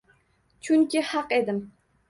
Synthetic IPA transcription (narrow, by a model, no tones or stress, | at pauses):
t͡ʃʰʊŋkʲihɑqed̪ɪm